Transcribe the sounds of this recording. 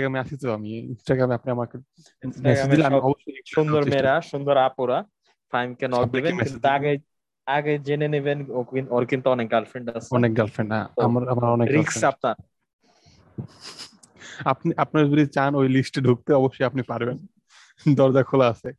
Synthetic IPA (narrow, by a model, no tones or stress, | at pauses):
ʈaɡɾameaʃit̪ʰoamiinsʈaɡɾameapniamake | ɛsidilamiɔboʃːojʃund̪oɾmeɾaʃund̪oɾapuɾa | fʰajmkenɔk̚d̪ebemint̪t̪aɡe | aɡed͡ʑenenibenoioɾkint̪uɔnek̚ɡalfɾeɳɖasɔnek̚ɡalfʰɾeɳɖa̰amaɾamaɾɔnekɾiksap̚naɾ | apniʔapnaɾd͡ʑulit͡ɕanojlisʈeɖʱuk̚t̪eɔboʃːojapnipaɾben | d̪ɔɾd͡ʑakʰolaasʰe